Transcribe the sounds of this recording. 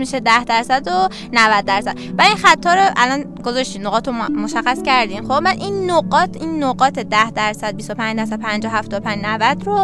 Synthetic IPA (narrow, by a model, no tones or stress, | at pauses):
miʃed̪æhd̪æɾsæd̪o | nævæd̪̚ːæɾsæd̪̥væinxæt̪ʰːɒːɾoʔælɒn | ɡ̥ozɒʃt̪iːnnoɣɒːt̪omoʃæxːæscæɾd̪iːnxomæd̪ʔinːoɢɒːt̪ʰinːoɣɒːt̪ʰed̪æhd̪æɾsæd̪̚bist̪opʰænd͡ʒd̪æɾsæd̥̪̚pʰænd͡ʒɒːhæft̪ɒːd̪opænd͡ʒnævæd̪ɾo